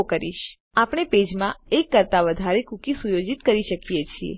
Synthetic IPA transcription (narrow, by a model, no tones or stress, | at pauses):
kəɾḭʃ | apɽ̃eped͡ʒmãekːəɾt̪aʋəd̪ʱaɾekukisujod͡ʒit̪kəɾiʃəkijet͡ʃʰiḛ